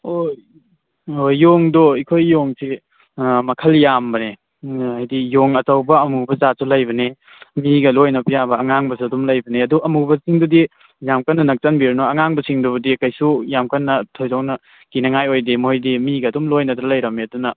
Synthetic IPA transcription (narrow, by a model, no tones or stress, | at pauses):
oj | ojːoŋdoikʰojːoŋsi | mɐkʰɐljambɐne | ajdijoŋɐtɐwbɐɐmubɐzasulɐjbɐne | miɡɐlojnɐpjabɐɐŋaŋbɐsuɐdumlɐjbɐneɐduɐmubɐsiŋdudi | jamkɐnːɐnɐk̚t͡ʃɐnbiɾɐnoɐŋaŋbɐsiŋdubɐdikɐjsujamkɐnːɐtʰojzawnɐ | kinɐŋajojdimojdimiɡɐːdumlojnɐtɾɐlɐjɾɐmeɐdunɐ